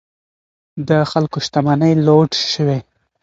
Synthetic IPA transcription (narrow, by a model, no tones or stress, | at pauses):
d̪əxalkoʃt̪amanəjloʈʃəwe